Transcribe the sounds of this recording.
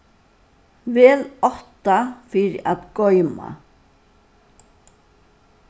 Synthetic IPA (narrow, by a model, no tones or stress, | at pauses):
vɛːlɔht̪afɪɾɪʔat̪ɡɔʏma̰